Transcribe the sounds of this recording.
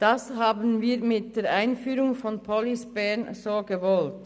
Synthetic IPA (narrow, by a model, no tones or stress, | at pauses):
d̥ɑshaːbən̩viːɾmɪt̚d̥eːɾʔaɪnfyːɾʊŋfɔnpʰɔlisb̥ɛnsoːɡəvɔlt